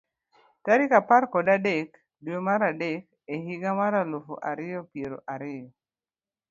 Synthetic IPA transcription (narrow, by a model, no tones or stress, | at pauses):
taɾɪkapaɾkɔdadek | dwomaɾadek | eɦiɡamaɾalofo̰ʔaɾɪjɔpjeɾo̰ʔaɾɪjɔ